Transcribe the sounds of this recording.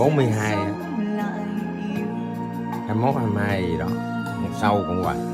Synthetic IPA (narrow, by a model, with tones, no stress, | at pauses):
ɓo˨˦nmɨ˧əjɦaː˧ja˨˦ | haː˧jmo˦˥t̚haː˧mhaː˧ji˨ɗɔ˨˦˨ | sa˧wkɔ̰˧˨ŋwa̰˨˩k̚